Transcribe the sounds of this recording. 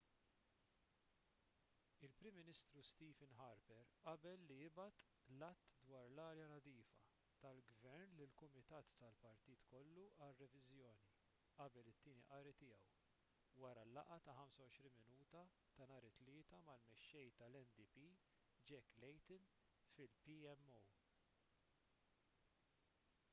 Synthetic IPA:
ɪlpɾɪmːɪnɪst̪ɾust̪iːfɪnħɐɾpɛɾʔɐbɛlːijɪbɐt̪ | lɐt̪ːd̪wɐːɾlɐːɾjɐnɐd̪iːfɐ̰ | t̪ɐlɡvɛɾnlɪlkʊmɪt̪ɐːt̪ːɐlpɐɾt̪iːt̪kɔlːuɐrːɛvɪzjɔːni | ʔɐbɛlɪt̪ːiːniʔɐːɾit̪ɪːjɛw | wɐɾɐlːɐ̰ʔɐt̪ɐhɐmsɐwɔʃɾiːnmɪnuːt̪ɐ | t̪ɐnɐːɾɪt̪lɪːt̪ɐmɐlmɛʃːɛjt̪ɐlɛnd̪ipi | d͡ʒɛkːlɛjt̪ɪn | fɪlpiɛmːow

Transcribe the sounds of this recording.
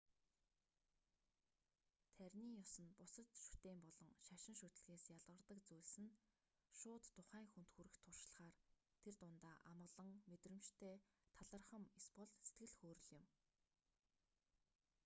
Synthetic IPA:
t̪ʰæɾʲniːjʊsə̆npʊsə̆t̪ʃu̥t̪eːmpɔɮɞ̆ŋʃaʃɪ̆ŋʃut̪̆ɮɣeːsjaɮʁə̆rt̪ə̆kt͡sujɮsɘ̆n | ʃʊːt̪ːʊχæːŋxun̥t̪xuːɾɘ̆xt̪ʰːʊrʃɮ̆χaːr | t̪ʰert̪ʊnt̪aːʔamɢə̆ɮə̆ŋmet̪rɘ̆mt͡ɕt̪ʰeːt̪ʰaɮə̆rχə̆mespɔɮset̪̚ɡɘ̆ɮxoːɾɵ̆ɮɪ̆m

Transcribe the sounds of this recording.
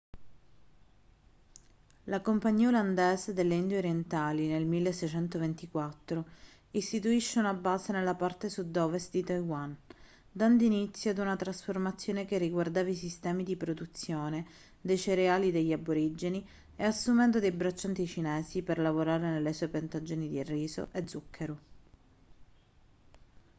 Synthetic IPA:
lakompaɲːiːaoland̪ɛːzed̪elːeind̪weoɾjent̪aːlinelmilːesːɛjt͡ʃɛnt̪ovent̪ikwat̪ːɾo | ist̪it̪uiʃːeunabaːsenelːapart̪esud̪ɔːvest̪d̪it̪ajwan | d̪and̪init̪sːjoad̪unat̪ɾasformat̪sːjoːnekerːiɡward̪aːvaisist̪ɛːmid̪ipɾod̪ut̪sːjoːne | d̪ejseɾeaːlid̪eʎːaboɾid͡ʒeni | easːumɛnd̪od̪ejbɾat͡ʃːant̪it͡ʃinɛːsiperlavoɾaːɾenelːesuepent̪ad͡ʒːoːnid̪irːiːzo̰ʔed̪zukʰːeɾo

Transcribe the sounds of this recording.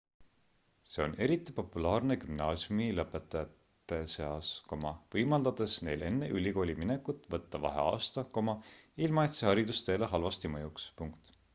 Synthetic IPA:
se̞o̞ne̞ɾit̪ːˑipo̞pːulɑːrne̞kymnɑːsjumilɤpːˑe̞t̪ːˑɑjɑt̪ːˑ | e̞se̞ɑsko̞mɑvɤjmɑld̪̥ɑd̪̥e̞sne̞̰jle̞nːeʔylʲiko̞ːlʲimine̞kːut̪ːˑvɤ̞t̪ːɑvɑ̰ɦḛɑ̰ːst̪ɑko̞mɑilmɑet̪sehɑɾid̪ust̪e̞ːleɦɑlvɑst̪imɤjukspuŋkt̪

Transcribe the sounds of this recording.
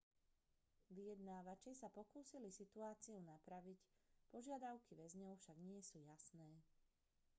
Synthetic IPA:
ʋijɛd̪naːʋat͡ʃɛsapɔkuːsilisit̪uaːt͡siɔʊnapɾaʋicpɔʒɪad̪aʊkiʋɛzɲɔʊfʃaɡɲɪɛsuːjasnɛː

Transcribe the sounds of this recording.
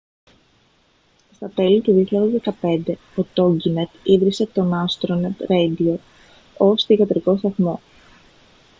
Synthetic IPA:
st̪ɐt̪e̞lit̪uðioçiʎɐðe̞zðe̞kɐpe̞nd̪e̞ | ot̪oɲɟinet̪iðɾise̞t̪o̞nɐst̪ɾonet̪ɾejd̪io | o̞st̪iʝɐt̪ɾiko̞st̪ɐθmo̞

